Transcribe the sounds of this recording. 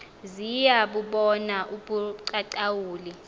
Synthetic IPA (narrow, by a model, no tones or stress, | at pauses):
zijaɓuɓɔnaʔuɓuǀaǀawuːli